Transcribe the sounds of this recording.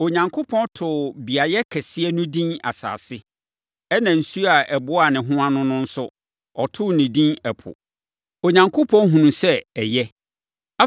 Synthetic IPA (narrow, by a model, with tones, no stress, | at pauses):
o˨ɲã˨ŋkʰʊ˦pʰɔ̃˦ntʰʊ˨bi˨a˨jɛ˦kʰɛ˨sɪ˦ɛ˦nʊ̃˦dĩ˦na̰˨sa̰ː˨sɪ˦ | ɛ˦nã˨n̩˨su˦a˨ʔɛ˨bʊ˦a˨nɪ̃˨ɦʊ̃˦ã˦nʊ̃˦nʊ̃˦n̩˦sʊ˦ | ɔ˨tʰʊ˦˨nɪ̃˨dĩ˦nɛ˨pʰʊ̰˨ | o˨ɲã˨ŋkʰʊ˦pʰɔ̃˦nɦũ˨nũ˨sɛ˦ɛ˨jɛ˦ | a˦